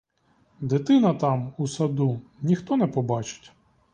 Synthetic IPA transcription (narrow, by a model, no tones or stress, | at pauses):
d̪ɪt̪ɪnɐt̪ɑmusɐd̪unʲixt̪ɔnɛpɔbɑt͡ʃɪ̥tʲ